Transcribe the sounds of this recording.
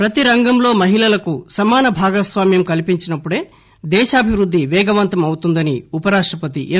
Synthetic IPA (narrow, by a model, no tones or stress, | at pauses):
pɾɐt̪iɾɐŋɡɐmlo̞ːmɐɦilɐlɐkusɐmaːnɐbʱaːɡɐsʋaːmjɐmkɐlipiɲt͡ʃinɐpːuɽe̞ː | d̪ɛːʃaːbʱiʋɾud̪ːiʋɛːɡɐʋɐnt̪ɐmɐwut̪und̪ɐniupɐɾaːʂʈɾɐpɐt̪̬ḭʔe